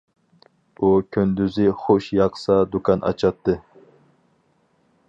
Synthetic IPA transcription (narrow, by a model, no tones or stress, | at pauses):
ukʲʰynd̪yzɪχoʃjɑqsɑd̪ukʰɑnʔɑ̰t͡ʃʰɑt̪ʰːɨ